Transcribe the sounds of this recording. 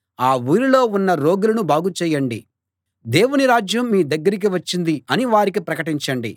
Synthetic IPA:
aːʋuːɾilo̞ːunːɐɾo̞ːɡulɐnubaːɡut͡ʃɛːjɐɳɖḭ | d̪e̞ːwuniɾaːd͡ʒjɐmːiːd̪ɐɡːɐɾik̬iʋɐt͡ʃːind̪iɐniʋaːɾik̬ipɾɐkɐʈiɲt͡ʃɐɳɖi

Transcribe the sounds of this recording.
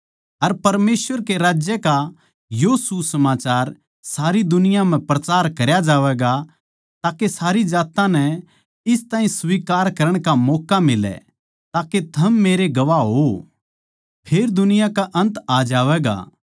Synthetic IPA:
ɐɾpɐɾmeːsʋəɾkeɾaːd͡ʒjəka | josusɐmaːt͡ʃaːɾ | saːɾid̪ʊnɪjãm̤ɛ̃pɾɐt͡ʃaːɾkɐɾjad͡ʒaːʋɛɡa | t̪aːkesaːɾid͡ʒaːt̪ãnɛ | ɪst̪ãːĩsʋiːkaːɾkɐɾəɽ̃kamɔːkamɪlɛ̰ | t̪aːket̪ʰɐmːeːɾeɡɐʋaɦo | pʰeːɾd̪ʊnɪjakaʔɐ̃nt̪aːd͡ʒaːʋɛːɡa̰ː

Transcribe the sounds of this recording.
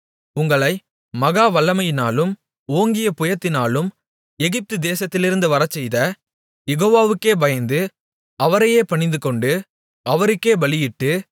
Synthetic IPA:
ʊŋɡɐɭɐɪ | mɐɣaːʋɐɭːɐmɐjɪnaːlɯm | oːŋɡɪjɐpʊjɐt̪ːɪnaːlɯm | ɛɣɪp̚t̪ɯd̪eːsɐt̪ːɪlɪɾɯnd̪ɯʋɐɾɐt͡ʃːɛjðɐ | jɛɣoːʋaːʋɯkːeːbɐjɐnd̪ɯ | ɐʋɐɾɐjeːpɐɳɪnd̪ɯkɔɳɖɯ | ɐʋɐɾɯkːeːbɐɭɪjɪʈːɯ

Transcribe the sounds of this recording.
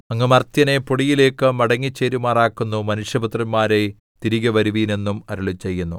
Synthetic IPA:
ɐŋːɐmɐrt̪jɐne̞poɽijile̞ːkːɨmɐɽɐŋːit͡ɕːeːɾumaːraːkːunːumɐnuʂjɐbut̪rɐnmaːɾe̞ | t̪iɾiɣɐʋɐɾuʋiːne̞nːumɐɾuɭit͡ɕːe̞jːunːu

